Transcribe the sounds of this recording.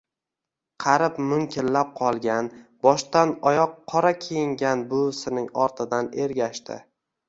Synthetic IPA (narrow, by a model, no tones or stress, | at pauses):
qʰɑɾɪpmʊŋkʲʰɪlːap̚qʰɒlˠɡʲanbɒʃt̪anɒjɒqʰːɒɾakʲʰejɪŋɡʲanbʊsɪnɪŋɒɾt̪ʰɪd̪ane̞ɾɡʲaʃt̪ɪ̰